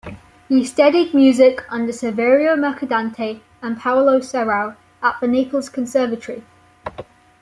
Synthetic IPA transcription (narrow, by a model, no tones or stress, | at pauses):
histʌdid̚mjʉːzɪkʰʌ̃ndəsəvɛːɹioʊməkʰədãntʰe | ə̃npʰaʊloʊsɛɹəʊ | əʔfəneɪpəlˠz̥kʰə̃nsɜːvətəɹi